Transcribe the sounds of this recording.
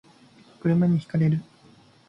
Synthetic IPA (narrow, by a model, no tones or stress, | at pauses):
kɯ̟ɾɯ̟maɲ̟içi̥kaɾe̞ɾɯ̟